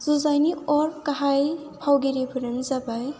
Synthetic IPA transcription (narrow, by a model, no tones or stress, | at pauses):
z̥uzajniɔɾkaɦaj | pʰawɡeɾibʰʱɯɾɯnzabaj